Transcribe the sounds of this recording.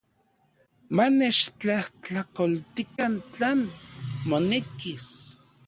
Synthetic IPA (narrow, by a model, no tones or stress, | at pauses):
manet͡ʃt͡ɬaht͡ɬakolt̪ikant͡ɬaːnmonekis